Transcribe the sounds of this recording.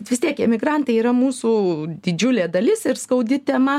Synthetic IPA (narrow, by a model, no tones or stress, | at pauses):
t̪ʋʲɪst̪ʲiɛkɪmʲɪɡɾɐnt̪ɐɪiːɾɐmuːsuːd̪ʲɪd͡ʒʲʊlʲeːd̪ɐlʲɪsɪɾskɐʊd̪ʲɪt̪ʲɛmɐ